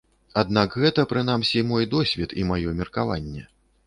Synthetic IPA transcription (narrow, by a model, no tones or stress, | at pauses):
ad̪nakɣɛt̪ɐpɾɨn̪amsʲimɔjd̪ɔsʲvʲɛt̪imajɔmʲirkava̰nʲːɛ